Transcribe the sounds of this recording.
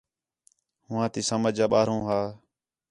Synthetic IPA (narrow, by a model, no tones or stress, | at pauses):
hʊ̃ːãːt̪iːsəməd͡ʒaːɓaːɾõːɦaː